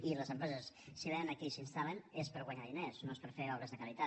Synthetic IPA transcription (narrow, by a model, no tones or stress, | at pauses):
iləzəmpɾɛzəsːiβenənəkɛsinst̪alənespəɾɣwəɲaðinesnoespəɾfeɔβɾəzðəkalit̪a